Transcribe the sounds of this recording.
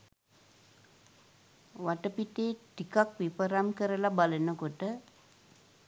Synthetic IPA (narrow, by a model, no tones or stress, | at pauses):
ʋaʈəpiʈeːʈikakʋipəɾamkəɾəlabalənəkoʈə